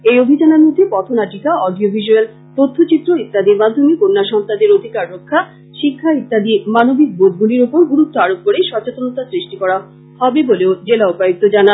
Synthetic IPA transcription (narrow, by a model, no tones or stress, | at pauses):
ejobʱid͡ʑanaɾmod̪ʱːepɔt̪ʰonaʈikaɔɖiobʱiʃuel | t̪ot̪ʰːot͡ɕit̪ːɾoit̪ːad̪imad̪ʱːomikonːaʃɔnt̪ad̪eɾod̪ʱikaɾːokʰːa | ʃikʰːait̪ːad̪imanobik̚bod̪̚ɡuliɾopoɾɡuɾut̪ːoaɽop̚koɽeʃɔt͡ɕet̪onot̪asɾiʃʈikɔɽa | hɔbeboleod͡ʑelaopajok̚t̪ːod͡ʑanan